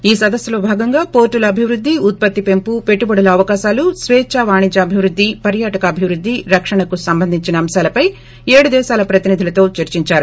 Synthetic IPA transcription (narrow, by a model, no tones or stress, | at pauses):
iːsɐd̪ɐsjɐloːbʱaːɡɐŋɡaːpo̞ːɾʈulɐɐbʱiʋɾud̪ʱːiut̪̚pɐt̪ːipe̞mpupe̞ʈːubɐɽɐlɐːʋɐkaːʃaːlusʋɛːt͡ʃɐʋaːɳid͡ʒɐːbʱiʋɾud̪ʱːipɐɾjaːʈɐkɐːbʱiʋɾud̪ːiɾɐkʂɐɳɐkusɐmbɐnd̪ʱiɲt͡ʃinɐːmʃaːlɐpɐj | eːɽud̪ɛːʃaːlɐpɾɐt̪inid̪ʱilɐt̪o̞ːt͡ʃɐɾt͡ʃiɲt͡ʃaːɾu